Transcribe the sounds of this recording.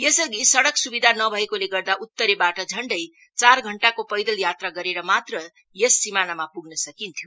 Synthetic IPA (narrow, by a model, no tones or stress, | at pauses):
jesʌɡisʌɽʌksubid̪ʱanʌbʱʌekoleɡʌrd̪aʔut̪ːʌɾebaʈʌd͡zʱʌɳɖʌj | t͡sarɡʱʌɳʈakopʌjd̪ʌljat̪raɡʌɾeɾʌmat̪rʌ | jesːimanamapuɡnʌsʌkint̪ʰjo